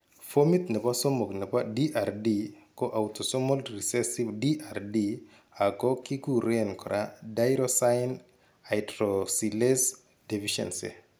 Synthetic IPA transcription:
fo˦mi˦t̪nɛ˨pa˦so˦mo˨knɛ˨pa˦di˦ʔa˨ɾdi˦kɔ˦ʔa˨wto˨sɔ˦mɔ˦lɾi˨sɛ˦si˦bdi˦ʔa˨rdi˦ | a˨kɔ˦ki˦ku˦ɾenkɔ˨ɾʔa˦dajɾɔsan | a˨jtɾosi˨le˦s | de˨fiʃɛ̰˨nsḛ˨

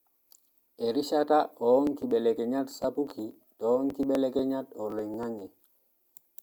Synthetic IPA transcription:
e˨ɾi˦ʃa˦ta˦ɔː˨˦ŋki˨ɓɛ˨lɛ˨kɛ˨ɲa˦tsa˦pu˦ki˨ | tɔ˨˦ŋki˦ɓɛ˦lɛ˦ke˦ɲa˦tɔ˨lo˨jŋa˦ŋɛ˨

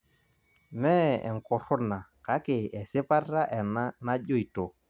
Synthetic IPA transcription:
mɛ˦ɛ̰˨ŋ̩˨kɔ˨ɾɔ˦na˨ka˨˦kɪ˨ɛ˨sɪ˦pa˦ra˦ʔɛ˨na˦na˦ʄo˦i˨to˨

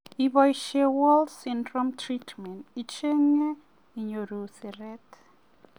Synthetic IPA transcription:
iβɔiʃɛwɔ˦ldsindrɔ˦mtʰritʰmɛ˨ntit͡ʃɛ˦ŋɛ˦ | i˨ɲo˨ɾu˨si˨rɛt

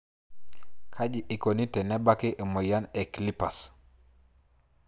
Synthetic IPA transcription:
kʰa˦d͡ʒi˨ʔi˨ko˨ni˦tɛ˨nɛ˦ba˦ki˦ʔe˨mo˨ja˦ne˨kli˦pa˨s

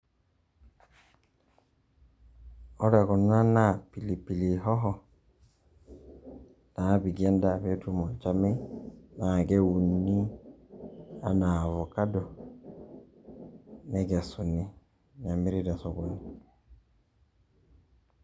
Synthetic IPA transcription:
ɔ˦ɾɛ˨kɔ˨n˦a˦na˦˨pi˨li˨pi˨li˨ɦɔ˦ɦɔ˦˨ | na˨a˦bi˨ɡɛ˦nda˦˨bɛ˦tu˦mɔ˨t͡ʃa˦me˦na˨ɡɛ˦wu˨nnːi˦ | a̰˦na˨vɔ˨ka˦dɔ˨ | nɛ˦ɡɛ˨su˨ni˦ | ɲa˨mi˦ɾi˦da˨sɔ˨bo˨ni˨

